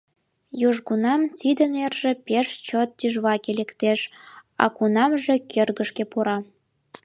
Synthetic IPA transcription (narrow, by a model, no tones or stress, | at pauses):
juʒɣunɑmt̪id̪ənerʒĕpeʃt͡ɕot̪̚ːyʒβɑkelekt̪eʃɑ̰kunɑmʒekʰerɣə̆ʃkepuɾɑ